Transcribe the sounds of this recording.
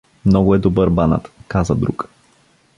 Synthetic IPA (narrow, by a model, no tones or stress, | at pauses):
mnɔɡʊɛd̪obɤɾbana̰t̪kazəd̪ɾṵk